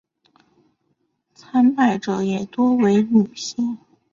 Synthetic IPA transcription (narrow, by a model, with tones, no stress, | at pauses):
t͡sʰa˧˥npa˨˩ɪʈ͡ʂɤ˨˧˥jɛ˨˩t̪wɔ˥we˧˥ɪmu˨˩ɕɛ˥n